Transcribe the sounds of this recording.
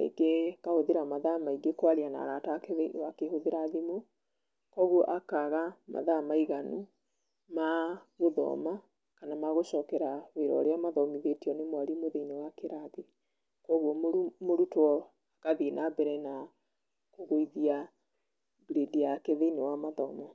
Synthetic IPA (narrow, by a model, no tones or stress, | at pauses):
ḛɡekahoðeɾamaðamaiɡekwaɾiana̰ɾataːkeðeiwakehoðeɾaðimo | kɔɣwɔʔakaɣama̰ðamaiɣanu | maɣoðɔ̰ma | kanamaɣoʃɔːkɛɾaweɾɔ̰ɾeamaðɔmiðetiɔnemwaɾimoðeinewakeɾaði | kɔɣwɔmoɾutwɔ | akaðinabɛɾɛna | koɣoiðia | bɾedijakeðeinewamaðɔma